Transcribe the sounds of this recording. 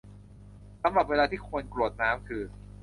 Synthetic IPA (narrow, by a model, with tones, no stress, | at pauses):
sa˧mɾa˨˩p̚weː˧laː˧t̪ʰiː˥˩kʰu˧ənklu˨˩ət̪̚naː˦˥mkʰɯː˧